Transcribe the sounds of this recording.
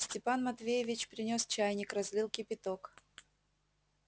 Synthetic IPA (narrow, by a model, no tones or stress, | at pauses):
sʲtʲɪpanmɐt̪vʲejɪvʲɪt͡ɕpʲɾʲɪnʲost͡ɕajnʲɪkrɐzʲlʲilˠkʲɪpʲɪt̪ok